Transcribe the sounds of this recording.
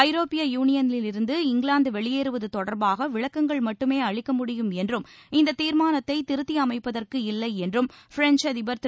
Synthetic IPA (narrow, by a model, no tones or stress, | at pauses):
ɐɪɾoːpɪjɐjuːnɪjɐnɪlɪlɪɾɯnd̪ɯɪŋɡɪɭaːnd̪ɯʋɛɭɪjeːɾɯʋɐðɯt̪ɔɽɐɾbaːɣɐʋɪɭɐkːɐŋɡɐɭmɐʈːɯmeːɐɭɪkːɐmʊɽɪjɯmɛndrɯmɪnd̪ɐt̪ːiːɾmaːnɐt̪ːɐɪt̪ɪɾɯt̪ːɪɐmɐɪpːɐðɐrkɯɪlːɐɪɛndrɯmfɾɛnt͡ʃɐðɪbɐɾt̪